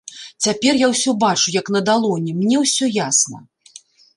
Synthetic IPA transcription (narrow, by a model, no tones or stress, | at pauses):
t͡sʲapʲɛrjawsʲɔbat͡ʂujɐkn̪ɐd̪alˠɔnʲɛmnʲɛwsʲɔjasnɐ